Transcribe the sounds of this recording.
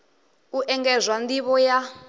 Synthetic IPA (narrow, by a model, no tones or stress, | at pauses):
uʔɛŋɡɛzʷwandiβɔja